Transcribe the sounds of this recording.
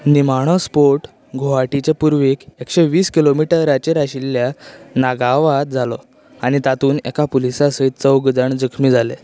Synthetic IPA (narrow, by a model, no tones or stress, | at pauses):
nimaɽ̃ɔspoɾʈ | ɡʱoʋaʈit͡ɕepuɾʋekekʂeʋiːskilomiʈəɾat͡ɕeɾaɕilːjanaɡaʋat̪̚d͡zʱalɔ̰ | añit̪at̪uːnḛkapulisasəit̪t͡səwɡd͡zəɳd͡zəkʰmiːd͡zale